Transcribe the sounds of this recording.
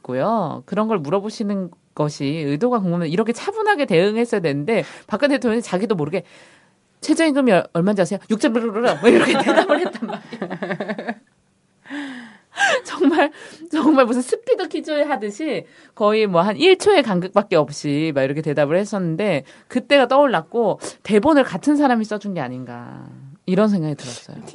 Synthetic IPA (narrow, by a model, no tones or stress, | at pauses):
k͈ojokɯɾʌnɡʌɭmuɾʌboɕʰinɯn | ɡ̥ʌɕʰiɯdoɡakoŋɡomʌiɾʌkʰe̞t͡ɕʰabunɦaɡe̞te̞ɯŋɦe̞s͈ʌjadwe̞nɯnde̞pak͈ʰɯnt̬͈e̞tʰoŋjoɲit͡ɕaɡidomoɾɯɡe̞ | t͡ɕʰed͡ʑeiɡɯmiʌʌɭmad͡ʑiasʰejojuk̚t͡ɕ͈ʌɾmɯɾoɾɯɾawiɾʌkʰete̞dabɯɭhet͈ammaɾe | t͡ɕʌŋmaɭt͡ɕʌŋmaɭmusʰɯnsʰɯpʰidokʰid͡ʑoeɦadɯɕʰi | kʌimwʌɦaniɭt͡ɕʰoe̞kaŋɡɯk̚p͈ak̚k͈e̞ʌp̚ɕ͈imaiɾʌkʰe̞te̞dabɯɭhes͈ʌnːɯnde̞ | kɯt͈e̞ɡat͈ʌoɭːak̚k͈ote̞bonɯɭkatʰɯns̬ʰaɾamis͈ʌd͡ʑunɡe̞aɲinɡa̰iɾʌns̬ʰeŋɡaɡitɯɾʌs͈ʌ̰j̰